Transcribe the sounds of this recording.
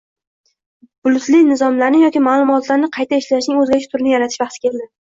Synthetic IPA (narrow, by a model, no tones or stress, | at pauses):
bʊlʊt̪lɪnɪzɒmlaɾnɪjɒkʲimaːlˠʊmɒt̪laɾnɪqʰɑjt̪ʰaeʃlaʃ̬nɪŋɵzɡʲaɾɪʃʰɪ̥t̪ʰʊɾɪnɪjaɾat̪ʰɪ̥ʃvɑχt̪ʰɪ̥kʲʰe̞ld̪ɪ